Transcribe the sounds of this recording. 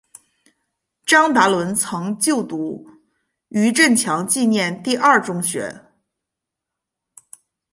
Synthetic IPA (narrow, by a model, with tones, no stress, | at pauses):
ʈ͡ʂɑ˥ŋt̪a˧˥lwə˧˥nt͡sʰɤ˧˥ŋt͡ɕjo˥˩ʊt̪u˧˥ | y˧˥ʈ͡ʂə˥˩nt͡ɕʰjɑ˧˥ŋt͡ɕi˥˧njɛ˥˧nt̪i˥˧ʔɐ˞˥˩ʈ͡ʂʊ˥ŋɕɥɛ̰˧˥